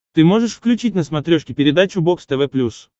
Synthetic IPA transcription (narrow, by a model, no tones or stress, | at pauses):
t̪ɨmo̞ʐɨʂfklʲʉt͡ɕitʲnəsmɐt̪ɾʲoʂkʲɪpʲɪɾʲɪd̪at͡ɕʊbokst̪ɛvɛplʲus